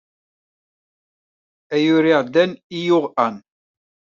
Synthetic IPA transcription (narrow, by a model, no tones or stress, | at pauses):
æjʊɾiʁd̪ænijʊʁæn